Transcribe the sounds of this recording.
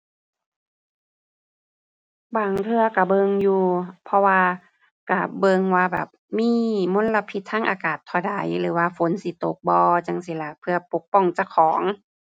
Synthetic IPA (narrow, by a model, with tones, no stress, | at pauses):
baː˧˩ŋt̪ʰɯ˧ɐka˧˩bɤ˧ŋjuː˧pʰɔ˧waː˧ | ka˧˩bɤ˧ŋwaː˧bɛ̰ː˨˩p̚miː˧˥˨mo˧˥˨nla˧pʰi˧˦t̪ʰːaː˧˥ŋʔaː˧˦kaː˨˩t̪ʰːɔ˧˩da˨˦jlɯː˩˦waː˧fo˨˦nsi˧˦t̪o˨˩k̚bɔː˧t͡ɕa˧ŋsi˧˦la˧˩pʰɯ˧ɐpo˨˩k̚pɔ˧˩ŋt͡ɕa˧˩kʰɔː˩˦ŋ